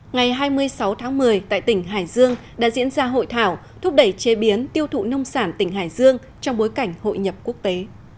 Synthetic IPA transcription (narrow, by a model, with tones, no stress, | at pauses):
ŋa˨˩jɦaː˧jmɨ˧əjsa˨˦wt̪ʰaː˨˦ŋmɨ˨˩əjt̪a̰ː˧˨jt̪ï˧˩ŋ̟ɦa̰ː˧˩jzɨ˧əŋ | ɗa̰ː˧˥zḭ˧˥ənzaː˧ɦo̰˧˨jt̪ʰaː˧˩wt̪ʰʊ˦˥p̚ɗə˧˩jt͡ɕe˨˦ɓi˨˦ənt̪i˧əwt̪ʰṵ˧˨nə˧wŋ͡msaː˧˩nt̪ï˧˩ŋ̟ɦaː˧˩jzɨ˧əŋ | t͡ɕɔ˧wŋ͡mɓo˨˦jka˧˩jŋ̟ho̰˧˨jɲə˨˩p̚ku˦˥ək̚t̪e˨˦